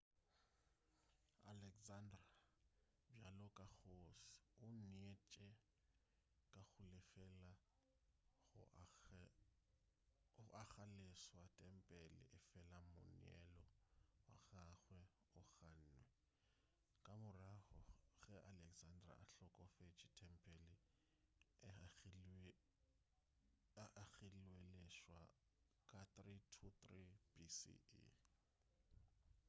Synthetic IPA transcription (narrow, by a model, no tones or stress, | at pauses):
alɛkzandra | bjalɔkʼak͡xosɪ̥ʊn̩et͡ʃʼɛ | kʼaɣʊlɪfɛla | ɣʊ̰ | ʔaχaleswatʼɛm̩pʼɛlɪ̰ʔɪfɛlamʊ̰n̰ɛ̰lɔwa̰ɣaχwɛ | ʊɣan̩ːnwɛ | kʼamʊrahɔɣɛʔalɛkzandra̰aɬɔkʼɔfet͡ʃʰʼitʼʰɛm̩pʼɛli | aɣilwelɛʃwa | kʼatritʰut̪rib̥isḭḭ